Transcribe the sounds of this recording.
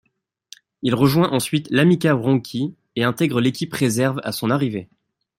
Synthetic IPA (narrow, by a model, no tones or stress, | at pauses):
ilʁəʒwɛ̃ʔɑ̃sɥit̪lamikaʁɑ̃kʲʰi | eɛ̃t̪ɛɡʁəlekʲipχezɛʁva̰sɔ̃naʁive